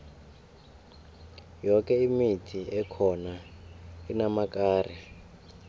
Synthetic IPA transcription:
jɔkɛimitʰiɛkʰɔna | inamakaːrɛ

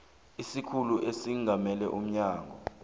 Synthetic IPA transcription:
isikʰuluʔesiŋʱamɛlɛʔum̩ɲaːŋʱɔ

